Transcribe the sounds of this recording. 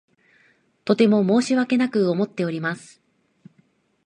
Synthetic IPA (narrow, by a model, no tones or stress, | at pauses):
t̪o̞t̪e̞mo̞mo̞ːɕiβake̞nakɯ̟o̞mo̞t̪ːe̞o̞ɾʲimasɨ̥